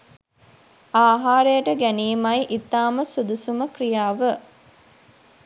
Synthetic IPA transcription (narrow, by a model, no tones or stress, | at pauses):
aːɦaːɾəjəʈəɡæniːmɐjiʔit̪ːaːməsud̪usuməkrijaːʋə